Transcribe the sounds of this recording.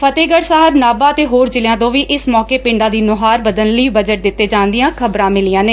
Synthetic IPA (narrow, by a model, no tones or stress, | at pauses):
fʰət̪eːɡəɽsaːɦəbnaːbaːət̪eːɦoːɾd͡ʒɪljãːt̪õːʋiːʔɪsmɔːkeːpɪ̃ɳɖaːd̪iːnʊɦaːɾʋəd̪ənləiːbəd͡ʒəʈ̚d̪ɪt̪ːeːd͡ʒaːnd̪ɪjãːkʰəbɾãːmɪlijãːneː